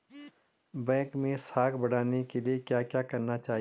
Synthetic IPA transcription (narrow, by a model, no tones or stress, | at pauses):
bɛ̃kmẽsakʰbəɽanekeliekjakjakəɾnat͡ʃaːɦ